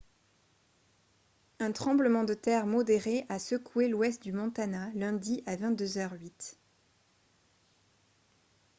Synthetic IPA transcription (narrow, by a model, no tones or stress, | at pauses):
ɛ̃t̪χɑ̃bləmɑ̃d̪ət̪ɛʁmɔd̪eʁeʔasəkʰwelwɛst̪̚d̪ymɔ̃t̪analɛ̃d̪iʔavɛ̃t̪̚d̪øzœʁɥit̪